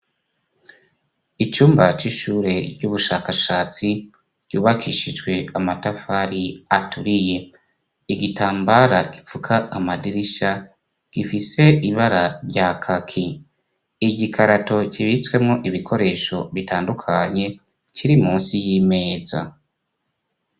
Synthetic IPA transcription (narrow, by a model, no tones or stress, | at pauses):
it͡ʃuːmbat͡ʃiʃuːɾe̞ɟuβuʃaːkaʃaːt͡si | ɟ̥uːβakʰiʃid͡ʒwe̞amatafaɾiatuɾije̞ | iɡitaːmbaɾaɡ̥ifukʰaːmadiɾiʃa | ɡ̥ifise̞iβaɾaɾɟakʰakʰi | iɟikʰaɾato̞ciβit͡swe̞mŋo̞ʔiβikʰo̞ɾe̞ʃo̞βitʰaːndukʰaɲe̞ | t͡ʃiɾimuːnsijiːme̞ːza̰